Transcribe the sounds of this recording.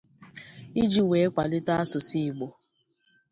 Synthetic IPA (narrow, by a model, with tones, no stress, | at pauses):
i˦d͡ʒi˦we˨˦kʷa˨lɪ˦ta˦a˦sʊ˨si˦˨ɡ͡bo˨